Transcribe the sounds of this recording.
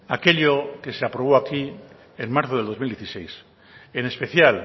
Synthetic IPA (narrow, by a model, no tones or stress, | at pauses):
ake̞ʎoke̞seapɾoβ̞oaki | enmaɾθoðld̪ozmild̪jeθi̥sejs | ene̞spe̞θjal